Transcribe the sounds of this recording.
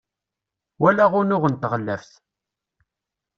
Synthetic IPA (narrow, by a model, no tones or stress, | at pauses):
wælaʁʊɾnʊʁənt̪ʁəlːæfθ